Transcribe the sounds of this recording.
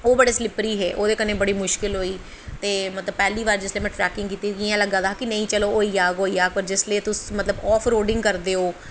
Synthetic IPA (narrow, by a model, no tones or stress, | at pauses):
oːbəɽeːslɪpɾiːɦɛ̰ːʔoːd̪eːkənẽːbəɽiːmʊʃkɪlɦoːiː | t̪eːmət̪ləb̚pɛːliːʋaːɾd͡ʒɪsleːmɛ̃ːʈɾɛːkɪ̃ŋɡkiːt̪iːkiãːləɡaːd̪aːkɪnəĩːt͡ʃəloːoːiːjaːɡɦoːiːaːɡ̚pəɾd͡ʒɪsleːt̪ʊsmət̪ləbɔːpʰɾoːɖɪ̃ŋɡkəɾd̪eːɦoː